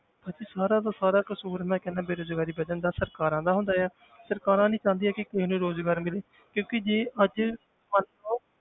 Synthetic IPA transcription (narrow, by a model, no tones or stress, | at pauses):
bad͡ʒiːsaːɾãːd̪aːsaːɾaːkəsuːɾmɛ̃ːkɛnãːbeːɾoːd͡ʒɡaːɾiːbəd̪ənd̪aːsəɾkaːɾãːd̪aːɦʊnd̪aːjɛː | səɾkaːɾãːnĩːt͡ʃãːnd̪iːɛːkɪkɪinũːɾoːzɡaːɾmɪleː | kjõːkɪd͡ʒeːʔəd͡ʒ | mən | oː